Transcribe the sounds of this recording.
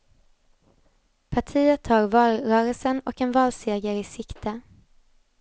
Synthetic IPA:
pʰaʈʰiːət̪ʰːɑːɾvɑːlɾœːɾəlsənɔ̰kɛnvɑːlseːɡəɾɪsɪkt̪ʰə

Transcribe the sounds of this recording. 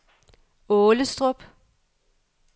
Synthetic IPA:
ɔːləsd̥ʁɔb̥

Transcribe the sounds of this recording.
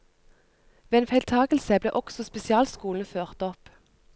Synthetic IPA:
ʋeːeːnfæɪlt̪ʰɑːɡəl̩səblḛːʔɔksɔspɛsɪɑːlskuːln̩føːʁt̪ɔp

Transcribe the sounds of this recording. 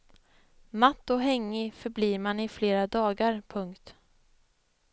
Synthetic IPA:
mat̪ːɔɦɛŋːɪfœɾbliːɾmanɪfleːɾad̪ɑːɡaɾpʰɵŋkt̪

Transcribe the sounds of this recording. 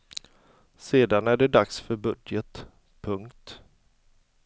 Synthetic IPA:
seːd̪anæɖɛɖ̪aksfœɾbɵd̪jət̪ | pʰɵŋkt̪

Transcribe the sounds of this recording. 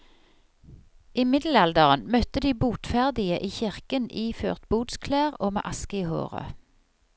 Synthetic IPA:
ʔiːmɪd̪l̩ɛld̪əʁənmœt̪əd̪iːbuːt̪fæʁd̪ɪəʔiːçɪʁkənʔiːfø̰ːʁt̪buːd̪skʰleːʁoːmḛːʔɑskəiːho̰ːʁə̰

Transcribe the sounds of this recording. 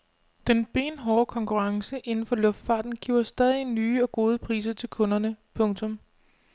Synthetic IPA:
d̥enb̥e̝̰ːnɦɒːkʰɒ̽ŋkʰuʁɑ̈ŋsəʔe̝nn̩fɒ̽lɔ̽fd̥fɑ̈ːd̥n̩ɡ̥iʊ̰ɐsd̥ɛːð̞ˠinyːɒ̽ɡ̥o̝ːð̞ˠəpʰʁḭːs̬ɐt͡sʰe̝lkʰɔ̽nɐnəpʰɔ̽ŋt͡sʰɔ̽m

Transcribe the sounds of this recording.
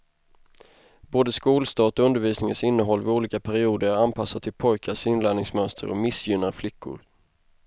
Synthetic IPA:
boːd̪əskuːlst̪ɑːt̪ɔɵnd̪əɾviːsnɪŋənsɪnːəɦɔlːvɪuːliːkapʰæɾɪuːd̪əɾæɾanpʰasːat̪ʰːɪlpʰɔjkʰasɪnlænɪŋsmœnst̪ʰə̰ɾɔ̰mɪsjʏnːaɾflɪkʰːʊ̰ɾ

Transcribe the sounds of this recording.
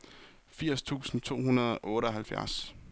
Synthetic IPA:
fiɐ̰st͡sʰṵːsn̩t͡sʰo̝̰ːɦunɐðˠɒ̽ʔɔ̽ːɾəɒ̽ɦælfjæɐs

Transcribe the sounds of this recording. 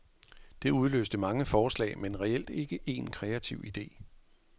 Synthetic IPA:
d̥e̝uð̞ˠlø̰ːsd̥əmɑ̈ŋəfɒːslɛ̰ɪmenʁɛel̰d̥e̝ɡ̥əʔe̝nkʰʁɛæt͡sʰiʊ̰ʔid̥e̝̰ː

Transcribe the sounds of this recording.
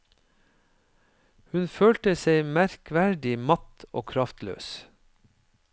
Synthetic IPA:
hʉnføːlt̪əseɪmæɾkʋæɖɪmɑt̪o̰ːkʰɾɑft̪lø̰ːs

